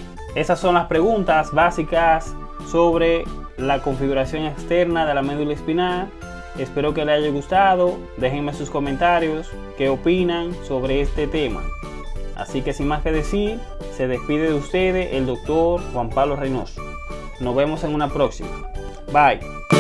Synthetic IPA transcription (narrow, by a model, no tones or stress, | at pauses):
e̞sasːo̞nlaspɾe̞ɣunt̪asβasikasː | o̞βɾe̞ | lako̞ɱfiɣuɾasjo̞ŋekst̪e̞ɾnaðe̞lame̞ðulespina | espe̞ɾo̞ke̞leaʝeɣust̪aðo̞ | d̪e̞xeŋmesusko̞mẽnt̪aɾjo̞s | ke̞opinaŋso̞βɾeest̪e̞t̪e̞ma̰ | a̰sike̞siŋmaske̞ðe̞siɾ | se̞ðe̞spiðe̞ðeust̪e̞ðeʔeld̪o̞k̚t̪o̞ɾxwampaβlo̞rejno̰so̥ | no̞zβe̞mo̞se̞ŋunapɾo̞ksima̰ | baj